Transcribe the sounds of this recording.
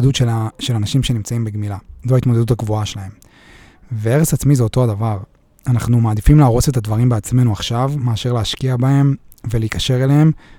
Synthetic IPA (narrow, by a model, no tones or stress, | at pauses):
d̪ut̪eʃe̞lanaʃimʃe̞nimt͡saimbeɡmilazoait̪mod̪e̞d̪ut̪aɡvuaʃelahe̞m | veeʁesat͡smizeo̞to̞adavaʁ | anaχnumaːd̪ifimleaʁo̞se̞t̪ad̪vaʁimbeat͡sme̞nuaχʃavmeaʃe̞ʁleaʃkiabae̞mveleikaʃe̞ʁelehem